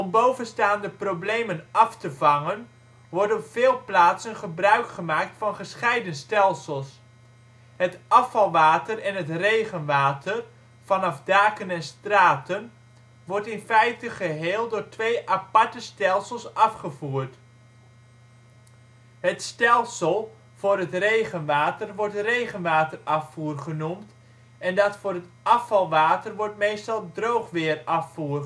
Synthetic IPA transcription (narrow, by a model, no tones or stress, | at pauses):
ɔmbowvənstaːndəprowblejmənɑftəvɑŋən | ʋɔɹdəɔpfɪːlˠplaːtsənχəbrœɥkχəmaːk̚tfɑnχəsχɛjdənstɛlˠsəlˠs | ɦətɑfɑlˠʋaːtərɛnɦətrejχənʋaːtər | v̥ɑnɑvdaːkənɛnstraːtən | ʋɔɹtɪnfɛjtəχəɦeːlˠdʊːɹtʋejʔapɑɹtəstɛlˠsəlˠsɑfχəvuːrt | ɦətstɛlˠsəlˠ | v̥ʊːɾɦətrejχənʋaːtərʋɔɹtrejχənʋaːtərɑfuːrχənumt | ɛndɑtfʊːrɦətʔɑfɑlˠʋaːtərʋɔɹtmejstɑlˠdrowχʋɪːrɑfuːr